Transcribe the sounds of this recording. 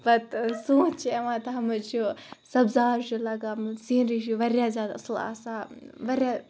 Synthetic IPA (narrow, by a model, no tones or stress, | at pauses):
bɐt̪sũːt͡ʃʰieʋãːt̪ɐɦɐmɐt͡ʃʰusɐbzaːɾʃulɐɡaːmsĩːnɾiʃuʋɐɾʲjaːzʲjaːd̪ɐ̰sla̰saʋɐɾja